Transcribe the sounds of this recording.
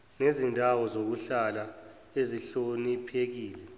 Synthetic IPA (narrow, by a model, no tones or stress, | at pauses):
nezindʱawɔzok̬uɬala | eziɬonipʰek̬iːlɛ